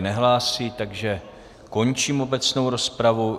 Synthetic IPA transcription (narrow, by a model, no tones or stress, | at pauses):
nɛɦlaːsiːt̪aɡʒɛ | ko̞ɲt͡ʃiːmo̞bɛt͡snowɾo̞spɾavu